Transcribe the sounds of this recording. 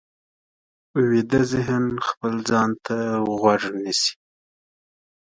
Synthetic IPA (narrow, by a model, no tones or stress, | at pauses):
uwid̪azɪɦnxpəld͡zɑnt̪ʰaɣwaʐnisi̥